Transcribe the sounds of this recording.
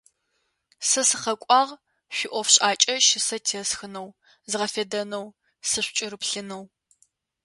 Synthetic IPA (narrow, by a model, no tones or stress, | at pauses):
sɐsɨχɐkʷʼɑːʁ | ʃʷɪʔʷɔfɕʼaːt͡ʃʼɐʃɪsɐtʰiɛsxɨnɐw | zɨʁɐfedɐnɐw | sɨɕʷt͡ʃʼɪɾɨpɬɨnɐw